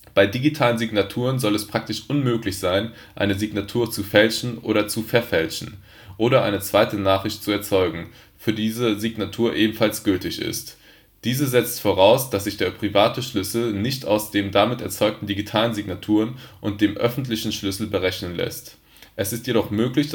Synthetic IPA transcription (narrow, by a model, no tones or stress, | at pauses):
b̥aɪdiɡitʰaːlənziɡnatʰuːʁ̞ənzɔlɛspʁ̥ak̚tɪʃʔʊnmøːklɪçz̥aɪn | ʔa̰ɪnəziɡnatʰuːɐt͡sufɛlʃn̩ʔo̰ːɾɐt͡sufɛɐfɛlʃn̩ | ʔoːɾɐʔa̰ɪnət͡sv̥aɪtənaːχʁ̥ɪçt̚t͡suɛɐt͡sɔʏɡŋ̩ | fyːɐdiːzəziɡnatʰuːɐʔeːbm̩falsɡ̥ʏltɪçɪ̰st | d̥iːzəzɛt͡stfoːʁ̞aʊsd̥asz̥ɪçd̥eːɐpʁ̥ivaːtəʃlʏsl̩nɪçtaʊsd̥eːmdamɪtɛɐt͡sɔʏk̚tn̩diɡitʰaːlənziɡnatʰuːʁənʔʊnt̚d̥eːmʔœfn̩tlɪçn̩ʃlʏsl̩bəʁɛçnənlɛ̰st | ʔɛsɪstjeɾɔχmøːklɪç